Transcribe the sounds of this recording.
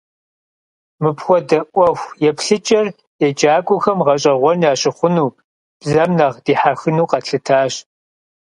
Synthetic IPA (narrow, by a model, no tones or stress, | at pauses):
mɨpxʷɔdɐʔʷɔxʷjɛpɬɨt͡ʃʼɐr | jɛd͡ʒaːkʷʼʊxɐmʁɐɕʼɐʁʷɔnaːɕɪχʷʊnuː | b̥zɐmnɐʁd̥iːħaxɨnuːqɐɬɨtʰaːɕ